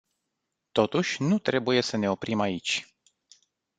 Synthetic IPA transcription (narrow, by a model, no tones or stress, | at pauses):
t̪o̞t̪uʃʲnut̪ɾe̞buje̞səne̞o̞pɾimait͡ʃʲ